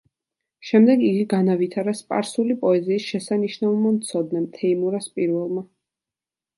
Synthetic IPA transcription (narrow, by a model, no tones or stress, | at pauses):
ʃɛmd̪ɛɡiɡiɡanavit̪ʰaɾaspʼa̰ɾsulipʼɔɛziːsʃɛsaniʃnaulˠmamt̪sʰɔd̪̚nɛmt̪ʰɛimuɾaspʼiɾvɛlˠma